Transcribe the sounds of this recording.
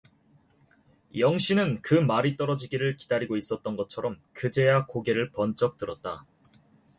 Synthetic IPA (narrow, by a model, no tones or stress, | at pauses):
jʌŋɕʰinɯnkɯmaɾit͈ʌɾʌd͡ʑiɡiɾɯɭki̥daɾiɡois͈ʌt̚t͈ʌnɡʌt͡ɕʰʌɾʌmkɯd͡ʑe̞jakoɡe̞ɾɯɭpʌnt͡ɕ͈ʌk̚t͈ɯɾʌt̚t͈a̰